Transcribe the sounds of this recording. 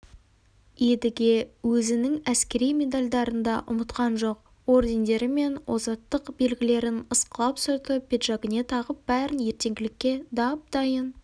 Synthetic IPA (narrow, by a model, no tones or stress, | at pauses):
jed̪ɪɡʲe̞wɵzɪnɪŋæskʲe̞ɾijme̞d̪alʲd̪ɑɾənd̪ɑʔʊmət̪qɑnʒo̞q̚ | o̞rd̪e̞nd̪e̞ɾɪme̞nwozɑt̪ːəqbe̞lɡʲɪle̞ɾɪnəsqəlˠɑpsʊɾt̪əpʰʲe̞t̪ʒɑɡʲɪne̞t̪ʰɑʁəp̚b̥æɾɪnje̞ɾt̪e̞ŋɡʲɪlɪkʲːe̞d̪ɑp̚d̪̥ɑjən